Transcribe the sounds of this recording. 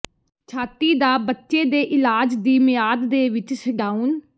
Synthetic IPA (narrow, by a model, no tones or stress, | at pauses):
t͡ʃʰaːt̪iːd̪aːbətːʃeːd̪eːʔɪlaːd͡ʒd̪iːmɪjaːd̪ːeːʋɪt͡ʃsɪɡaːuːn